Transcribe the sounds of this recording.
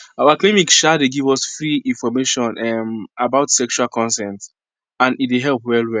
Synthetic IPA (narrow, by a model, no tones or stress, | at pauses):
awaklimikʃadeɡivɔsfɹiĩnfɔmeʃɔ̃nɛmabaʊtsɛkʃualkɔ̃nsɛ̃nt | ãnitdeɦɛlpwɛlwɛ